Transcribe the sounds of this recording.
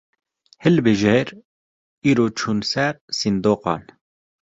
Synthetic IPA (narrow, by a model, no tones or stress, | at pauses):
hɪlbeʒɛɾ | iːɾoːt͡ʃʰuːnsɛɾsind̪oːqɑ̰ːn